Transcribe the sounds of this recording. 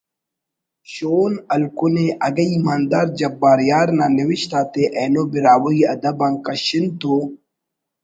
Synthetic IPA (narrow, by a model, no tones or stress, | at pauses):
ɕoːnɐlkuneʔɐɡɐimaːnd̪aːɾd͡ʑɐbaːɾjaːɾnaniwiɕt̪aːt̪eʔeːnobiɾaːwoiɐd̪ɐbãːŋkɐɕint̪o